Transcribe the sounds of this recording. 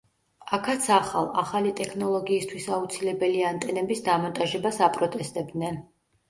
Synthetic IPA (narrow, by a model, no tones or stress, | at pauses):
akʰat̪sʰaχalˠaχalit̪ʼɛkʰnɔlˠɔɡiːst̪ʰwisaut̪sʰilɛbɛliant̪ʼɛnɛbisd̪amɔnt̪ʼaʒɛbasapʼɾɔt̪ʼɛst̪ʼɛb̚d̪nɛn